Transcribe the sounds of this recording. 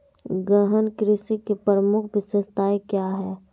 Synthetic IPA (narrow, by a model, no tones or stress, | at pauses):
ɡəɦənkɾɪsikepɾəmʊkʰbɪsest̪aːekjaɦɛː